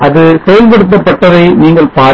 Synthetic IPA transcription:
ʔɐðɯsɛjɐlpɐɽɯt̪̬ːɐpːɐʈːɐðɐɪniːŋɡɐɭpaː

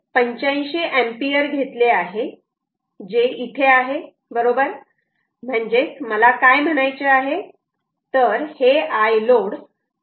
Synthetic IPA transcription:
pəɲt͡ɕãj̃ɕeʔempiəɾɡʱet̪leaɦe | d͡ʑeit̪ʰeaɦe | bəɾobəɾ | m̤əɳd͡ʑet͡sməlakajm̤əɽ̃ajt͡ɕeaɦe | t̪əɾheajloɽ

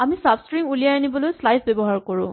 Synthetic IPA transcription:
amisapskɹiŋulijanibɔlojslajsbɛbɔɦaɹkɔɹʊ̰̃

